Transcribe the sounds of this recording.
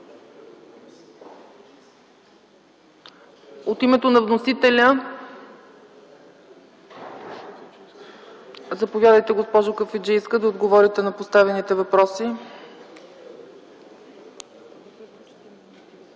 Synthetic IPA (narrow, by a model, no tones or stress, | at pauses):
ot̪imɛt̪onɐvnosit̪ɛlʲə | zɐpovʲjad̪əjt̪ɛɡospɔʒʊkəfɛd͡ʒɛiskəd̪ɐod̪ɡovɔɾit̪ɛnɐpost̪avɛnit̪ɛvɐpɾɔsi